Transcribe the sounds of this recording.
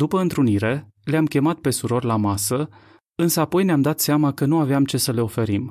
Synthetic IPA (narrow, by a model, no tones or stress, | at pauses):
d̪upəɨnt̪ɾuniɾe̞ | leamkʲe̞mat̪̚pe̞suɾo̞rlamasə | ɨnsəapo̞jneamd̪at̪seamakənuaveamt͡ʃe̞səle̞o̞fe̞ɾim